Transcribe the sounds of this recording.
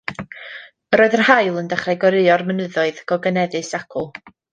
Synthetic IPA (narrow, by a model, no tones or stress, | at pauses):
ɾoːɨðərhajlˠəndaχrajɡɔɾɨɔrmənɨðɔɨðɡ̥ɔɡənɛðɨsakʰʊlˠ